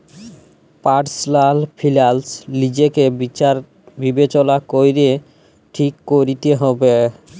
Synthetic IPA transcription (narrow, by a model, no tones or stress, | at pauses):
paʈslalpʰilalslid͡ʑekebiaɾ | bibet͡ɕɔlakojɾe | ʈʰikːoɾit̪eɦɔbe